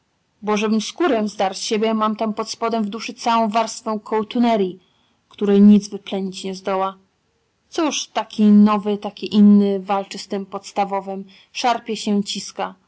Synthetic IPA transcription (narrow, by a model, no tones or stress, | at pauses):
bɔʐɛbɘmskuɾɛmzd̪aɾɕebʲjɛmamt̪ampɔt̪spɔd̪ɛvd̪uʂɘt̪sawɔ̃w̃vaɾst̪fɛ̃w̃kʰɔwt̪unɛɾʲji | kt̪uɾɛjɲid̪zvɘplɛɲit͡ɕɲɛzd̪ɔwa | t̪suʂt̪akʲinɔvɘt̪akʲiʔinːɘvalt͡ʂɘst̪ɘmpɔt̪st̪avɔvɘm | ʂaɾpʲjɛɕɛt͡ɕiska